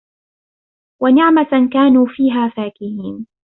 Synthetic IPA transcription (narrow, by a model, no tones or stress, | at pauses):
wanɪʕmakaːnuːfiːɦaːfaːkɪhiːn